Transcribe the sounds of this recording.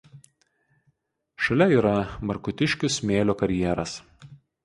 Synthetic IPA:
ʃɐlʲɛiːɾɐmɐɾkʊt̪ʲɪʃʲkʲʊsmʲeːlʲoːkɐɾʲjiɛɾɐs

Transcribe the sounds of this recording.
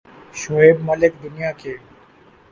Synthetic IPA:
ʃʊeːbmɐlɪkd̪ʊnijake

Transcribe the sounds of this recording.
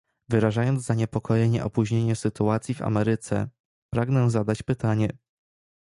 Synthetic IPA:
vɘɾaʐajɔnzzaɲɛpɔkʰɔjeɲɛ̰ʔɔpuʑɲeɲɛsɘt̪uat̪sʲjiva̰mɛɾɘt̪sɛ̰ | pɾaɡnɛ̃zad̪at͡ɕpɘt̪aɲɛ

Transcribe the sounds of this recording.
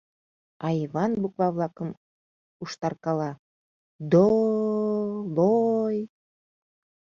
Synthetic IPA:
ɑjiβɑnbukβɑβlˠɑkəm | uʃt̪ɑrkɑlɑ | d̪o | loj

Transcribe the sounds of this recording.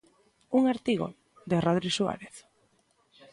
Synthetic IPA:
uŋaɾt̪iɣo̰ | d̪eraðɾiswa̰ɾeθ

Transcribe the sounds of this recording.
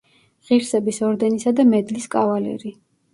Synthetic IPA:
ʁiɾsɛbisɔɾd̪ɛnisad̪amɛd̪liskʼavalɛ̰ɾi

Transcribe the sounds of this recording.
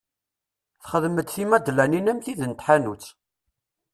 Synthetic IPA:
θχəðməd̪θimæd̪læninæmθiðənt̪ħanut͡sː

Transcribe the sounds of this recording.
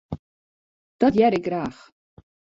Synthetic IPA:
d̪̥ɔdjɛɾɪɡrɾaːχ

